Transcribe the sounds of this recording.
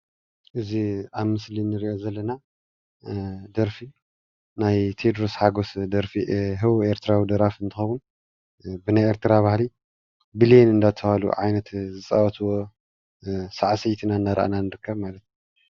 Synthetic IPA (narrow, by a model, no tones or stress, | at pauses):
ʔɨziaβmɨslinɨɾiʔo̞zɐlːɐna | d̪ɐɾfi | najt̪ʰed̪ɾosħaɡo̞sd̪ɐɾfiɦɨwueɾt̪ʰɨɾawid̪ɐɾafɨnt̪ʰɨxɐwun | bɨnajeɾt̪ʰɨɾaβahli | bilienɨnd̪at̪ʰːɐβalṵʕajnɐt̪zɨt͡sʼawɐt̪ʰɨwo̞ | saʕsɐjt̪ʰinanːaɾɐ̰ʔa̰nanɨɾɨkʰːɐβmalɐt̪u